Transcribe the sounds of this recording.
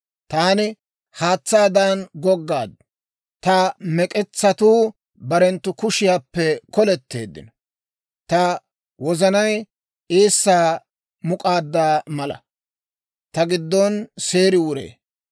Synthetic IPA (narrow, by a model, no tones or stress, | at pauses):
t̪aːnɪ | haːt͡sːaːd̪aːnɡɔɡːaːd̪ | t̪ɐmɛkʼɛt͡sːɐt̪uː | bɐɾɛnt̪ːʊkʊʃɪjaːpːɛkɔlɛt̪ːe̞̰ːd̪ːɪ̰nɔ | t̪ɐ | wɔzɐnɐj | eːsːaː | mʊkʼaːd̪ːaːmɐlɐ̰ | t̪ɐɡɪd̪ːɔnseːɾɪwʊɾḛː